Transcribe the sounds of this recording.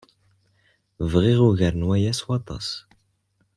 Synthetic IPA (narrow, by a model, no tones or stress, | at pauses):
vʁiʁuʝəɾənwæjæswɑt̪ˤɑ̰s